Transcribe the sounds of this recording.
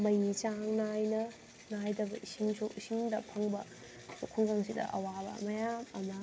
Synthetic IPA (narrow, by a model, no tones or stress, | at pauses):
mɐjit͡ʃaŋnajnɐ | najdɐbɐʔisiŋsʰoisiŋdɐpʰaŋbɐ̰ | okʰuŋɡaŋsidɐ̰ʔɐ̰wabɐ̰mɐjamɐmɐ